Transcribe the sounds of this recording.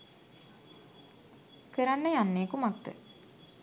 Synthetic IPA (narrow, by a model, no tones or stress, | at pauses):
kəɾanːəjanːeːkumakt̪ːə̰